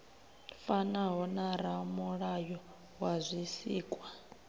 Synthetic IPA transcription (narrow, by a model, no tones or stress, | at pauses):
fanaɦɔnaɾamuɺajɔ | wazʷisiːkʼwa